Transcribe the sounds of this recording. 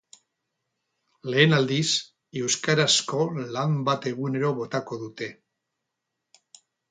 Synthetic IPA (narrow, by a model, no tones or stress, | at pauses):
le̞ːnald̪is | e̞wskaɾasko̞lambat̪e̞ɣune̞ɾo̞βo̞t̪ako̞ðut̪e̞